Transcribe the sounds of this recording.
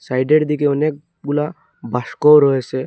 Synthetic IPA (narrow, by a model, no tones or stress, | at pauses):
sajɖeɾd̪ikeɔnek̚ | ɡula | bʱaskɔɾɔese